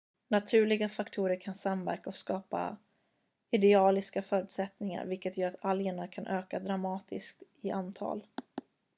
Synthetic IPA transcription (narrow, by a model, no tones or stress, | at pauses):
nat̪ʰʉ̟ːɭɪɡafakt̪ʰuːɾəɾkʰansamvæ̰ɾkaɔkskɑːpa̰ | ɪd̪ɛɑːlɪskafœːɾʉ̟t̪sɛt̪nɪŋa̰ɾvɪlkət̪jœːɾat̪ʰaljəɳaɾkʰanʔøːkad̪ɾamɑːt̪ɪ̰skt̪ɪʔant̪ʰɑ̰ːl